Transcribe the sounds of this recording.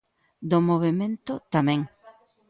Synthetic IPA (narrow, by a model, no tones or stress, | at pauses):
d̪omoβemẽnt̪ot̪amẽŋ